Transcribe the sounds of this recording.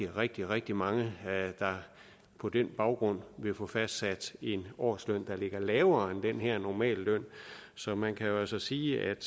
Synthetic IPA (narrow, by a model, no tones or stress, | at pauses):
iʁeɡ̥̚d̥iʁɛɡ̥̚d̥imɑ̈ŋəd̥ɑ̈ | pʰɒ̽d̥enb̥ɑ̈ʊɡ̥ʁɔ̽n̰ʋe̝fɔfæsd̥sæd̥e̝nɒ̰ːsløn̰d̥ɑ̈le̝ɡ̥ɐlɛːʊɐend̥enɦeɐ̰nɒmɛ̰ːlːøn̰sɒ̽mænkʰæjo̝ælsɒsiːæd̥